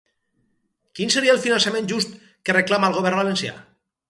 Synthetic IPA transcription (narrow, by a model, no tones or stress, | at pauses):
kinseɾiəlˠfinansamẽnʒust̪ | kereklamaːlˠɣoβɛɾβalensja̰